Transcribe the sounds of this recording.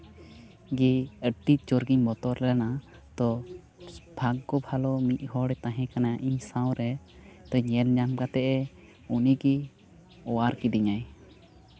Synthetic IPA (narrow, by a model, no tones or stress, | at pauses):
ɡiəʈit͡ʃoɾɡiɲbɔt̪ɔɾlɛna | t̪ɔ | bʱaɡːɔbʱalɔmit̪̚ˀhɔɽɛt̪ãɦɛ̃kanaʔiɲsãw̃ɾɛ | t̪ɔɲɛlɲamkat̪ɛʔɛ | uniɡi | ɔwaɾkid̪iɲaj